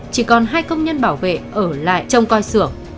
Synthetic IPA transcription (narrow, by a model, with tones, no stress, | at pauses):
t͡ɕi˧˩kɔ˨˩nɦaː˧jkə˧wŋ͡mɲə˧nɓaː˧˩wvḛ˧˨ʔəː˧˩la̰ː˧˨jt͡ɕə˧wŋ͡mkɔ˧jsɨ˧˩əŋ